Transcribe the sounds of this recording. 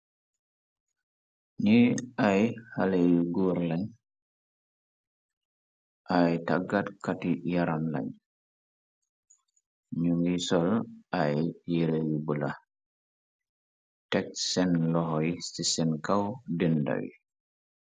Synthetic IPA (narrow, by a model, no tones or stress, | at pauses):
niajhalejuɡuɾlaɲ | ʔajtaɡatkatijaɾamla̰ɲ | ɲuŋɡisɔlʔajjiɾejubula | tɛk̚sɛnlɔɦɔjisisɛnkawdinda̰wḭ